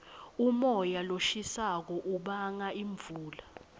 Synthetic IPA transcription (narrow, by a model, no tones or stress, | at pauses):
umɔjaloʃisak̬ɔʔuɓaŋaiɱbvʱuːla